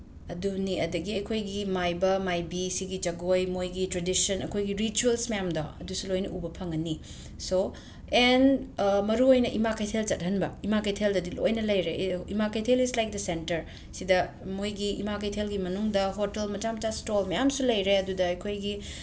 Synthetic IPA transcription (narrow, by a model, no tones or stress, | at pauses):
ɐduniʔɐ̰dɐɡiɐjkʰojɡimajbɐmajbisiɡid͡ʒɐɡojmojɡitɾedisɐnɐ̰kʰojɡiɾit͡ʃuelsmɐjamdɔ̰ɐdusulojnɐʔubɐpʰɐŋɐnːi | so | enmɐɾuojnɐʔimakʰɐjtʰelt͡ʃɐt̚ɦɐnbɐimakɐjtʰeldɐdilo̰jnɐlɐjɾeimakʰɐjtʰelislajk̚dɐsentɐɾ | sidɐ | mojɡiḭmakɐjtʰelɡimɐnuŋdɐɦotelmɐtamɐtastolmɐjamsulɐjɾeɐdudɐɐjkʰojɡi